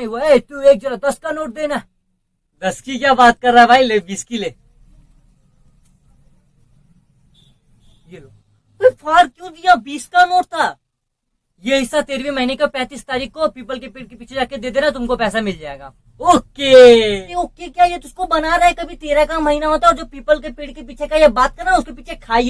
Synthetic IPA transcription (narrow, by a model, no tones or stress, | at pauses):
ioet̪ueːk̚d͡ʒɐɾad̪ɐskanoːʈ̚d̪eːna | d̪ɐskikjaːbaːt̪̚kɐɾːaːɦɛbʱaːileːbiːskileː | jeloːɡ̪ | opʰaːɾkjũːd̪ijabiːskanoːʈt̪ʰaː | jeɦɪsːat̪eːɾebʱimɐɦinekepɛ̃ːt̪iːst̪aːɾiːkʰkopiːpəlkepeːʈ̚kepiːt͡ʃʰed͡ʒaːked̪eːd̪eːnat̪̬ʊmkopɛːsamɪld͡ʒaːeːɡa̰ː | oːkeeoːkekjaːjet̪ʊskobɐnaɾɐɦɛkɐbʱit̪eːɾakamɐɦinaɦoːt̪aɛɔɾd͡ʒoːpiːpəlkepeːʈ̚kepiːt͡ʃʰekajebaːt̪̚kɐɾaʊskepiːt͡ʃʰekʰaːi